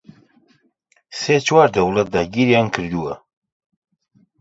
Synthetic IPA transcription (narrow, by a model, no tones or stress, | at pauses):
set͡ʃwaːɾd̪ɐwlɐt̪̚d̪aɡiɾjɑnkʰɨɾd̪uwɐ